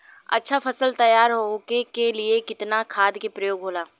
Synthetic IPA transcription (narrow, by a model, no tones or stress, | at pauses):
ɐ̰tːʃʰafʰɐsəlt̪ɐjaːɾɦokekeliekɪt̪nakʰaːd̪kepɾɐjoːɡɦoːlaː